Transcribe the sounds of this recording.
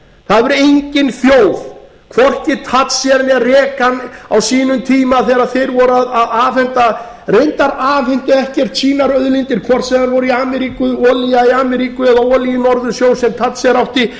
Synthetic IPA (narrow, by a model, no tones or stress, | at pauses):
θaðvɛɾejɲcɪnθjoːwð | kʰvɔr̥cɪt̪ʰat̪sjɛɾnɪarɛːkanawsiːnʏmt̪ʰiːmaθɛɾaðθejɾvɔɾaðaðaːfɛnt̪a | rejnt̪aɾaːfɪnt̪ʏɛhcɛr̥t̪t͡ʃʰiːnaɾœðlint̪ɪɾ̥kʰvɔr̥t̪sɛmanvɔɾʏiaːmɛɾikʏɔːlijaiaːmɛɾiːkʏɛðaɔːlijɪnɔɾðʏsjoːwsɛmt̪ʰat̪sjɛɾawht̪ɪ